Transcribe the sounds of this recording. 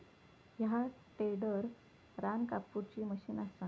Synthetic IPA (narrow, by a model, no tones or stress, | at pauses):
jaʈeɽəɾ | ɾankapːuɾt͡ɕiːməɕiːnast̪a